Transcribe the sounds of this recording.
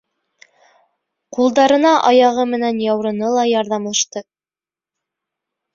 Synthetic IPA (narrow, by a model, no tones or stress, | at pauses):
qulˠd̪ɑɾɤ̆nɑʔɑjɑʁɤmɘ̆nænjɑwɾɤ̆nɤlˠɑjɑɾðɑmlˠɤ̆ʃt̪ɤ